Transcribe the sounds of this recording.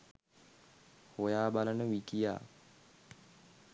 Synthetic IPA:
hojaːbalənəʋikija̰ː

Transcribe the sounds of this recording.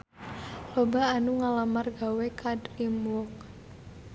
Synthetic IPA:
lobaːnuŋalamarɡawekʰadrimwɔk̚

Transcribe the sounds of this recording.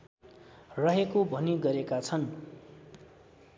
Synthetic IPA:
rʌɦekobʱʌniɡʌɾekat͡sʰʌn

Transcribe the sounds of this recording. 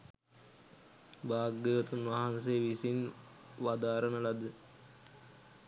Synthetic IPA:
baːɡːeʋət̪unʋaɦanseʋisin | ʋad̪aːɾənəlad̪ə

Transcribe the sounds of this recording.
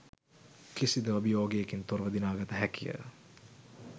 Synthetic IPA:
kisid̪əɐbijoːɡeːkint̪oɾʋəd̪inaːɡɐt̪əɦækijə̰

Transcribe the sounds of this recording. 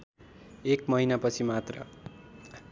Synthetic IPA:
ekmʌɦinapʌt͡sʰimat̪rʌ̰

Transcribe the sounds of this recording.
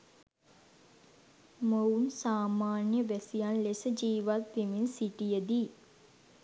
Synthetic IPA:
mounsaːmaːnjəʋæsijanlesəd͡ʒiːʋat̪ːiminsiʈijəd̪i

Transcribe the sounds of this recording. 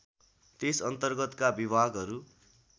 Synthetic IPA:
t̪esʌnt̪ʌrɡʌt̪kabibʱaɡɦʌɾu

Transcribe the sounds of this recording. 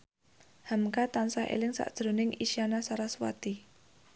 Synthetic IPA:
hamkat̪ansahḛlɪŋsa̰ʔd̥ʒ̥ɾo̤nɪŋiʃianasaɾaswa̰t̪i

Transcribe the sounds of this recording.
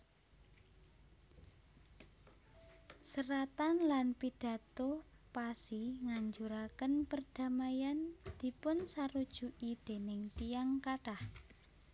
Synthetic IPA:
səɾat̪anlanpid̥ä̤t̪o | pasiŋaɲd͡ʒuɾakənpərd̥a̤majand̪̥i̤pʊnsaɾud̥ʒ̥uʔid̪̥e̤nɪŋt̪ijaŋkat̪ah

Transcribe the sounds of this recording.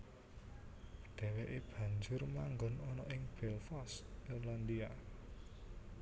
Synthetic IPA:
d̪̥ɛ̤weʔeb̥ä̤ɲd͡ʒʊrmaŋɡɔnɔnɔʔɪŋb̥ɛlfɔsirland̪ia

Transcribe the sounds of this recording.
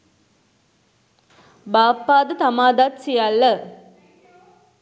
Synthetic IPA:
baːpːaːd̪ət̪amaːd̪at̪sijalːɐ

